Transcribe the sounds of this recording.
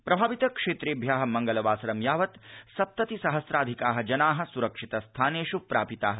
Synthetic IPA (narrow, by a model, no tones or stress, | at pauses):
pɾɐbʱaːʋit̪ɐkʂeːt̪ɾeːbʱjaːɦɐ̆mɐŋɡɐlɐʋaːsɾɐmjaːʋɐt̪sɐp̚t̪ɐt̪isɐɦɐsɾaːd̪ʱikaːɦɐ̆d͡ʒɐnaːɦɐ̆suɾɐkʂit̪ɐst̪ʰaːneːʃupɾaːpit̪aːɦɐ